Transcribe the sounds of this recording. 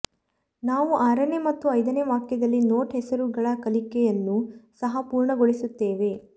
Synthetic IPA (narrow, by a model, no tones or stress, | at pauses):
naːʋuʔaːɾɐneːmɐt̪ːuɐjd̪ɐneːʋaːkjɐd̪ɐlːino̞ːʈɦɛsɐɾuɡɐɭɐkɐlikɛjɐnːusɐɦɐpuːɾɳɐɡoɭisut̪ːeːʋe̞